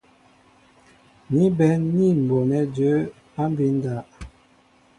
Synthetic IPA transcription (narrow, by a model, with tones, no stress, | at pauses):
ni˦bɛ˨˦ni˦˨m̩˨bo˨nɛ˦d͡ʒə˨˦ | a˦m˦bi˨˦n˦da˨˦ʔ